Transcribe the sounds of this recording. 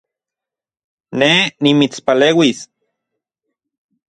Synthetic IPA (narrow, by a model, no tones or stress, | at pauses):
nenimit͡spaleːwis